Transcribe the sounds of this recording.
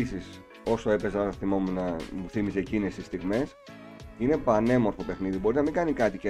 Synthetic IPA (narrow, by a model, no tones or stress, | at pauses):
sis | o̞soe̞pe̞soɐθimomunɐmuθimisecinesist̪iɣme̞s | ine̞pɐne̞mo̞ɾfo̞pe̞xniðibo̞ɾinɐmiŋɡɐnikɐt̪ice